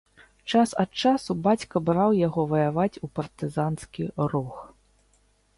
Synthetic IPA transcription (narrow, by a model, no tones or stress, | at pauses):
t͡ʂasɐt̪t͡ʂasubat͡sʲkɐbɾawjaɣɔvɐjavat͡sʲupɐrt̪ɨzanskʲirux